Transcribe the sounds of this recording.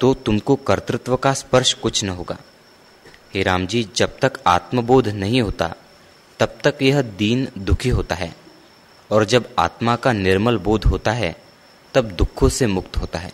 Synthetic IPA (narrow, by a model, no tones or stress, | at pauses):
t̪ot̪ʊmkokɐɾt̪ɾɪt̪wəkaspəɾʃkʊt͡ʃʰnɐɦoːɡa̰ː | ɦeːɾaːmd͡ʒiːd͡ʒɐb̚t̪ɐka̰ːt̪məboːd̪ʱnɐɦĩɦoːt̪a̰ | t̪ɐb̚t̪ɐkjɐɦd̪iːnd̪ʊkʰiɦoːt̪aɦɛː | ɔːɾd͡ʒɐba̰ːt̪makanɪɾməlboːd̪ʱɦoːt̪aɦɛ | t̪ɐb̚d̪ʊkʰːõsemʊkt̪ɦoːt̪aɦɛ̰ː